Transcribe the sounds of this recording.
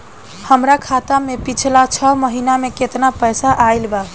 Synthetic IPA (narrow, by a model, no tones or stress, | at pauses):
həmɾakʰat̪amepit͡ʃʰlat͡ʃʰəməɦinameket̪napəjsaʔajlba